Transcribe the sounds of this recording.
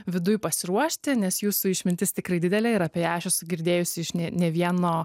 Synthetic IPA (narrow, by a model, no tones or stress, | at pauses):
ʋʲɪd̪ʊjpɐsʲɪɾuɔʃʲt̪ʲɪnʲɛsjuːsuɪʃʲmʲɪnʲt̪ʲɪst̪ʲɪkɾɐɪd̪ʲɪd̪ʲɛlʲɛɪɾɐpʲeɛjæːʃʲɛsɡʲɪɾʲd̪ʲeːjʊsʲɪɪʃnʲɛnʲɛʋʲiɛnoː